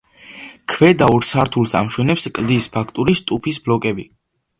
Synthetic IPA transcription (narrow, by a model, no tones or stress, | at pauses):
kʰvɛd̪auɾsaɾt̪ʰulˠsa̰mʃwɛnɛpskʼld̪ispʰakʰt̪ʼuɾist̪ʼupʰisblɔkʼɛbi